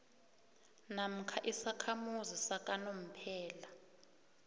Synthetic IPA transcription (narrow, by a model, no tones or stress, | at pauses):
nam̩kʰaʔisakʰamuzisakʼanom̩pʰɛːla